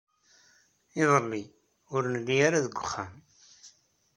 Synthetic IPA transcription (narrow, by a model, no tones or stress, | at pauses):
ɪðˤəlːi | ʊɾnəlːiaɾaðəɡʷːʊχːam